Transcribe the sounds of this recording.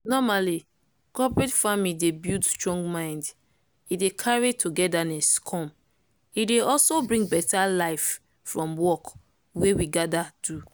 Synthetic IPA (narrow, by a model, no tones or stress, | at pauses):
nɔmali | kɔpɹɛtfamidebildstɹɔ̃ŋɡmãɪ̃nd | idekʰaɹitʰuɡɛdaneskʰɔ̃m | ideɔlsobɹĩŋbɛtalaɪf | fɹɔ̃mwɔk | wewiɡadad̥u